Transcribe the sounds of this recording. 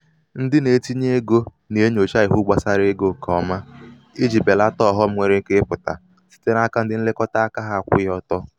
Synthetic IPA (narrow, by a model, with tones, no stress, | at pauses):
n̩˦dɪ˦ne˨˦ti˦ɲe˦ɡo˦ | ne˨e˦ɲo˨t͡ʃa˦ɪ˨ɦu˦ɡ͡ba˨sa˦ɾe˦ɡo˦kʰɔ˨ma˦ | i˦d͡ʒi˨be˨la˦tɔ˦˨ɦɔ˦˨m̩˦ŋʷe˨ɾe˨˦ŋ̩˦ke˦pʊ˨ta̰˨ | si̥˦te˦ɾa˦ka˦n̩˦dɪ˦n̩˦lɪ˦kɔ˦ta˦a˦ka˦ɦa˦a˨kʷʊ̰˦jɔ˦tɔ˦